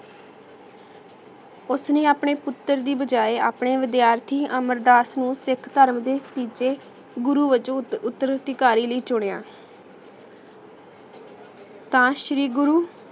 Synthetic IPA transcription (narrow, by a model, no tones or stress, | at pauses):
ʊsnẽːaːpɳeːpʊt̪ːəɾd̪iːbəd͡ʒaːeːa̰ːpɳeːʋɪd̪ɪjaːɾt̪ʰiːʔəməɾd̪aːsnũːsɪkʰt̪əɾmd̪eːt̪iːd͡ʒeː | ɡʊɾuːʋɪt͡ʃõʊt̪ːəɾət̪ɪkaːɾiːləiːt͡ʃʊɽea̰ː | t̪ãːʃɾiːɡʊɾuː